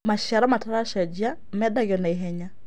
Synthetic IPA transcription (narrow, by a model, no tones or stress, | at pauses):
maʃaɾamataɾaʃad͡ʒia | mɛdaɣɔnaiɦɛɲa